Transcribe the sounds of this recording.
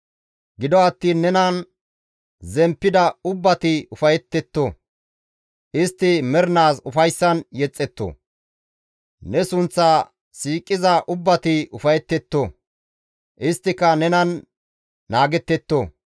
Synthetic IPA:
ɡɪd̪ɔɐt̪ːiːnːɛnɐn | zɛmpːɪd̪ɐʊbːɐt̪ɪʊfɐjɛt̪ːɛt̪ːo | ʔɪst̪ːɪmɛɾɪnaːsʊfɐjsːɐnjɛt͡sʼːɛt̪ːo̰ | nɛsʊnt͡sːɐ | siːkʼːɪzɐʔʊbːɐt̪ɪʊfɐjɛt̪ːɛt̪ːo | ʔɪst̪ːɪkːɐnɛnɐnː | aːɡɛt̪ːɛt̪ːo

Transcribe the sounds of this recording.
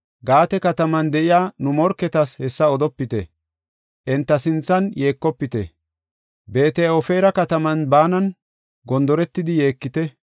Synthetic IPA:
ɡaːt̪ɛkɐt̪ɐmɐnd̪ɛʔɪjaːnʊmɔɾkːɛt̪ɐshɛsːɐɔd̪ɔpːɪt̪ɛ̰ | ʔɛnt̪ːɐsɪnt͡sːɐnje̞ːkːɔpːɪt̪ɛ̰ | be̞ːt̪ɛjɔfɛjɾɐkɐt̪ɐmɐnbaːnɐn | ɡɔnd̪ɔɾɛt̪ːɪd̪ɪje̞ːkːɪt̪ɛ

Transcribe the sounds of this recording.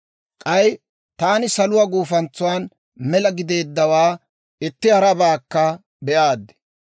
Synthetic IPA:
kʼɐj | t̪aːnɪsɐlʊwaɡuːfɐnt͡sːʊwaːn | mɛlɐɡɪd̪e̞ːd̪ːɐwaː | ɪt̪ːɪhɐɾɐbaːkːɐ | bɛʔaːd̪ːɛ̥

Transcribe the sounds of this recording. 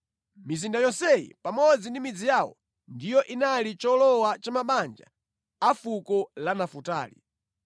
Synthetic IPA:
mizindajɔsɛjḭpamɔd͡zindimid͡zijawɔ̰ | ndijɔʔinalit͡ʃɔlɔwat͡ʃamaɓand͡ʒa̰ | afukɔlanafuta̰ːlḭ

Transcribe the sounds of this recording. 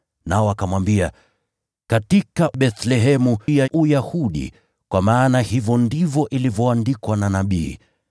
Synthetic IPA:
naɔakamwambia | katikaɓɛθlɛɦɛmuaʔujahuɗḭ | kwamaːnahivɔndivɔʔilivɔandikwananaɓiː

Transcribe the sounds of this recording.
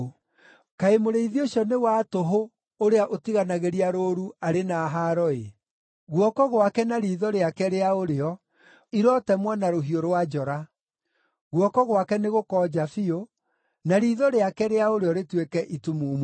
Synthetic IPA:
kaemoɾeiðioɕɔnewatoɦo | oɾeaʔotiɣanaɣeɾiaɾoːɾuaɾenaːɦaɾɔe | ɣwɔkɔɣwakɛnaɾiːðɔɾeakɛɾeaoɾeɔ | iɾɔtɛmwɔnaɾoɦioɾwad͡ʒɔɾa | ɣwɔkɔɣwakɛneɣokɔːd͡ʑafio | naɾiðɔɾeakɛɾeaoɾeɔɾetwekɛʔitumum

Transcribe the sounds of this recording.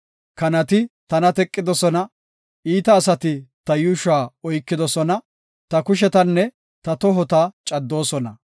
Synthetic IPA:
kɐnɐt̪ɪt̪ɐnɐt̪ɛkʼːɪd̪ɔsɔnɐ | ʔiːt̪ɐːsɐt̪ɪt̪ɐjʊʃaːɔjkːɪd̪ɔsɔnɐ | t̪ɐkʊʃ̬ɛt̪ɐnːɛ | t̪ɐt̪ɔɦɔt̪at͡ʃʼɐd̪ːo̞ːsɔnɐ

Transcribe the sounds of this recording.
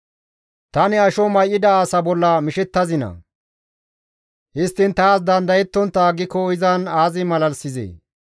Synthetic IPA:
t̪ɐnɪɐʃɔmɐjʔːɪd̪ɐaːsɐbɔlːɐmɪʃɛt̪ːɐzɪnɐ̰ | hɪst̪ːɪnt̪aːsd̪ɐnd̪ɐjɛt̪ːɔnt̪ːɐːɡɪkːɔɪzɐnaːzɪmɐlɐlsɪzḛː

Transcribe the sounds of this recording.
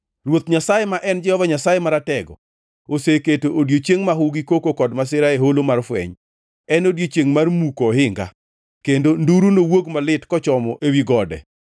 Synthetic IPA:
rwot̪ɲasajɛmaʔɛnd͡ʒɛhɔvaɲasajemaɾatɛɡɔ̰ | oseketoʔodjot͡ʃeŋmaɦʊɡikokokɔdmas̬ɪɾaeɦolomarfwɛ̰ɲ | ɛnodjot͡ʃeŋmarmukɔɦɪŋɡa̰ | kendonduɾunowoɡmalɪtkɔt͡ʃɔmɔʔewiɡɔdɛ̰

